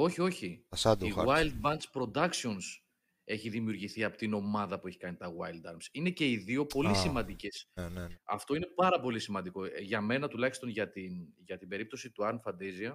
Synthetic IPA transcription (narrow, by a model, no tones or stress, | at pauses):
o̞çio̞çiɐsɐd̪iɣwajld̪̚bɐnspɾo̞d̪ɐksio̞ns | e̞çiðimiuɾʝiθiɐpot̪ino̞mɐðɐpue̞çi̥kɐnit̪ɐɣwɐjld̪ɐɾmsine̞ce̞iðio̞po̞lisimɐ̃nd̪ice̞sɐft̪o̞ine̞pɐɾɐpo̞lisimɐnd̪iko̞ʝɐme̞nɐt̪ulɐçist̪o̞nʝɐt̪inʝɐt̪ibe̞ɾip̚t̪o̞sit̪uɐɾnfɐnd̪eziɐ